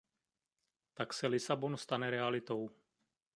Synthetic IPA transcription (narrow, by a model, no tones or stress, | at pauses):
t̪aksɛlɪsabonst̪anɛɾɛalit̪ow